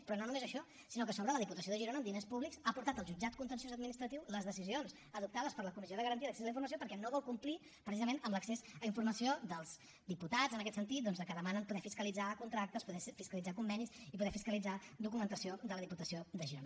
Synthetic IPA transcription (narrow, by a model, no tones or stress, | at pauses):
pɾɔnonumezəʃɔ | sinokəsoβɾələðiput̪əsioðəʒiɾonəːmd̪inespuβliksapuɾt̪at̪əlˠʒud͡ʒat̪̚kunt̪ənsjozəd̪̚minist̪ɾət̪iwləzðəsizionz | əðup̚t̪aðəspəɾləkumisioðəɣəɾənt̪iələksezliɱfuɾməs̬jopəɾkɛnoβɔlˠkumpli | pɾəsizəmenəmləksezəiɱfuɾməsiod̪əlˠz | d̪iput̪ad͡zənək̬ɛt̪sənt̪it̪̚d̪ɔnzðəkəðəmanənpuðɛfiskəlid͡zakunt̪ɾak̚t̪əspuðɛfiskəlid͡zakumbɛnisipuðɛfiskəlid͡zad̪ukumənt̪əsiod̪ələðiput̪əsioðəʒiɾonə